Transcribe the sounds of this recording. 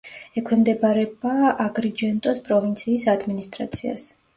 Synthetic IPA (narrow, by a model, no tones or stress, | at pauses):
ɛkʰwɛmd̪ɛbaɾɛbaaɡɾid͡ʒɛnt̪ʼɔspʼɾɔvint̪sʰiːsad̪minist̪ʼɾa̰t̪sʰia̰s